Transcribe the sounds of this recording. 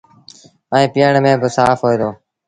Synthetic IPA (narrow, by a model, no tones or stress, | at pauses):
əẽːpɪjəɳmẽːbɪsaːfɦoːiːd̪oː